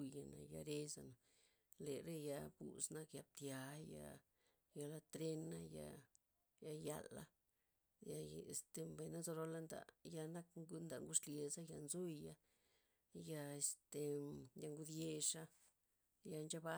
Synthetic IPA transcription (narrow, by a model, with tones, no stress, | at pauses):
ja˨na̰˨ja̰˧ɾe˧za̰˨na˨ | le˨ɾe˦ja˧bṵ˨sna˦kja˧b̚t̪ja˧ja̰˧ | ja˧la˧t̪ɾe˦na˦ja̰˧ | ja˧ja̰˨la̰˦ | ja˧e˨st̪e˧mba˨jna˦zo˧ɾo˧˦la˦nd̪a̰˨ja˧na˦kŋɡu˦nd̪a˨ŋɡu˦ʂlje˨za˦ja˧nzu˦ja˧ | ja˧e˧st̪e˧ja˧ŋɡu˧d̪je˧ʂa˦ | ja˧nd͡ʒa˦ba˦